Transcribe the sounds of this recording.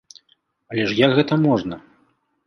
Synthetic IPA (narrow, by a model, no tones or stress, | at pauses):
ɐlʲɛʂjɐkɣɛt̪ɐmɔʐnɐ